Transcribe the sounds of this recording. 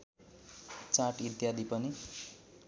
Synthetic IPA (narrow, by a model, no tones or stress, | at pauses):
t͡sãʈit̪jad̪ipʌni